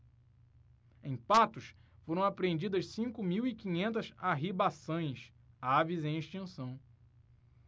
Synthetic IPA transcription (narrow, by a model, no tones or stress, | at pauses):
ẽj̃pat̪ʊsfoɾɐ̃w̃apɾẽnd͡ʒid̪ɐʃsĩŋkʊmiwikĩɲẽnt̪ɐzaɦibasɐ̃j̃s | avizẽj̃eʃt͡ʃĩsɐ̃w̃